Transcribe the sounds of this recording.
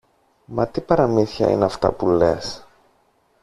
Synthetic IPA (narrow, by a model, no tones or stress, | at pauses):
mɐt̪ipɐɾɐmiθçɐ̰ḭneɐft̪ɐ̰pulḛs